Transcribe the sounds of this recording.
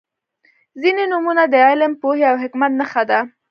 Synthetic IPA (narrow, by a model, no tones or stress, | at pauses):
zinenumunad̪əɑlampoheawɦɪkmat̪̚nəxad̪a